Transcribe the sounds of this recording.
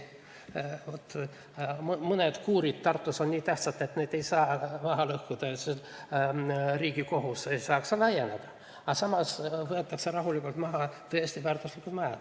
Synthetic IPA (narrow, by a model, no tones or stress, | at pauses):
vot̪ː | mmɤned̪̥kuːɾid̪̥̚t̪ɑrt̪ːusonnʲiːt̪æht̪sɑt̪ːˑe̞t̪ne̞jd̪ejsɑːmɑɦɑlɤhkud̪̥ɑese | riːɡiko̞ɦusejsɑːkslɑjened̪̥ɑ | ɑsɑmɑsvɤe̞t̪ːˑɑkseɾɑɦulikːult̪mɑɦɑt̪ɤesʲt̪ivæːrt̪uslikːˑut̪mɑjɑ̰d̪̥